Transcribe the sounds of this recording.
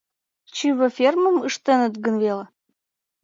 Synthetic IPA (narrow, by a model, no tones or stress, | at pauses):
t͡ɕiβə̆fʲermə̆məʃt̪ĕnə̆t̪ɡənvele